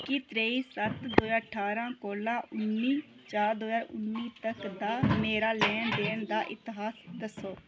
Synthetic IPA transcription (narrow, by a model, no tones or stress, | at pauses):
kɪt̪ɾeːiːsət̪d̪oːjaːəʈʰaːɾãːkoːlãːʔʊnːiː | t͡ʃaːɾd̪oːaːʊ̰nːiːt̪əkd̪aːmeːɾaːlɛːnd̪eːnd̪aːʔɪt̪ːɪɦaːsd̪əsoː